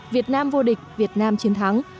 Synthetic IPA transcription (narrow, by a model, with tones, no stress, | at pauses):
vi˨˩ət̚naː˧mvo˧ɗï˨˩k̟̚vi˨˩ət̚naː˧mt͡ɕi˨˦ənt̪ʰa˨˦ŋ